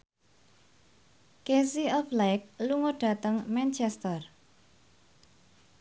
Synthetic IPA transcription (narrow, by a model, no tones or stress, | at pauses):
kesiɔflajk̚luŋoɖ̥ä̤t̪əŋmɛnt͡ʃɛst̪ər